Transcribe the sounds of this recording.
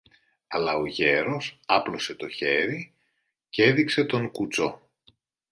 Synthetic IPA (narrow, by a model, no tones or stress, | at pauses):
ɐlɐoʝe̞ɾo̞sɐplo̞se̞t̪o̞çe̞ɾi | cee̞ðikse̞t̪o̞ŋkut͡so̞